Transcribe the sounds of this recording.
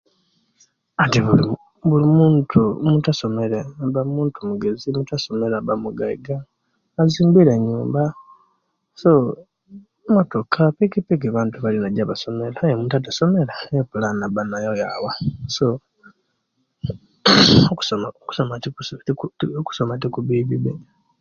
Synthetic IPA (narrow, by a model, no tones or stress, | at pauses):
atiβuli | βulimuːntʰumutaso̞me̞lebamuːntʰumuɡe̞zimutaso̞me̞ɾabamuɡajiɡaː | ziːmbiɾeɲuːmba | so | moto̞kʰapikipikeβaːntuβalinaɟaβaso̞melajomutat̬aso̞me̞laepulanabanajojawaso | oku̥somaoku̥somatiu | ku̥somatikuβiβiβe